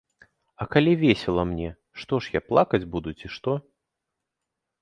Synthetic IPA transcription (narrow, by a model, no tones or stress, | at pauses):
ɐkalʲivʲesʲɛlˠɐmnʲɛ | ʂt̪ɔʂjaplˠakɐd͡zʲbud̪ut͡sʲiʂt̪ɔ